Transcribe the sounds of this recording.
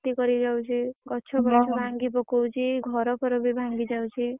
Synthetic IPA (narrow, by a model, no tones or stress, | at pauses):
t̪ikʌɾid͡ʒawt͡ʃʰiɡʌt͡ʃʰɔbʌt͡ʃʰobʱaŋɡipɔkowt͡ʃʰiɡʱʌɾɔpʰʌɾɔbibʱãŋɡid͡ʒawt͡ʃʰi